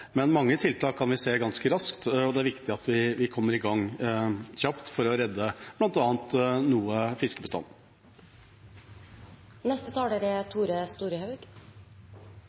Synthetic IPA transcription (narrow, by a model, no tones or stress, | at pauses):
mɛnmɑŋːət̪ʰɪlt̪ʰɑːkʰːɑnʋɪseːɡɑnskəɾɑskt̪ɔd̪ɛæɾʋɪkt̪ɪɑt̪ʋɪʋɪkʰɔmːəɾɪɡɑŋ | çɑpt̪fɔɾɔɾɛd̪ːəb̥lɑnt̪ɑːnt̪nuːəfɪskəbəst̪ɑ̰nː | nɛst̪ət̪ʰɑːleɾɛt̪ʰuːɾəst̪uːɾəhɑʉɡ̥